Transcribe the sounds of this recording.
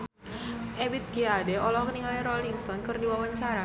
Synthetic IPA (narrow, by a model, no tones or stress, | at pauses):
ʔebit̪̚ɡiadeɔlɔhkəniŋalɾoliŋst̪ɔnkɨrdiwawaɲt͡ʃaɾa